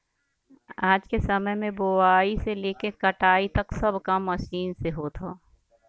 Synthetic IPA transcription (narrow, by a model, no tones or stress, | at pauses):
aːd͡ʒkesɐməjmẽboaːiseleːkekɐʈaːit̪ɐksɐbkɐmːɐʃiːnseɦoːt̪ʰoː